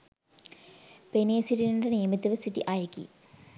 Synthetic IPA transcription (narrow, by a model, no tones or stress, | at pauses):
peneɐsiʈːiniɖenijɐmit̪ːɐʋɨsiʈːḭʔaːjɐkːḭ